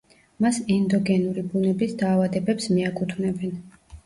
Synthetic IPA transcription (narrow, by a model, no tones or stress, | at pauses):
masɛnd̪ɔɡɛnuɾibunɛbisd̪aːvad̪ɛbɛpsmiakʼut̪ʰvnɛbɛn